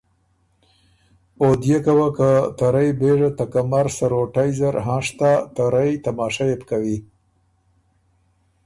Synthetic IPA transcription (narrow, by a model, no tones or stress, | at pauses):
od̪jekawakət̪aɾajbeʐat̪akamaɾsaɾoʈajzaɾɦãʂt̪at̪aɾajt̪amɑːʃajepkawi